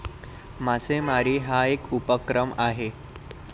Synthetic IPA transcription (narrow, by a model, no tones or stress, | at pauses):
masemaɾiːɦaekupəkɾəmaɦe